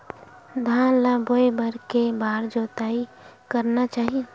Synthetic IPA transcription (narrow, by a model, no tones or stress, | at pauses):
d̪ʱãlaboebəɾkebaːɾd͡ʒoːt̪aːi | kəɾnat͡ʃaːɦie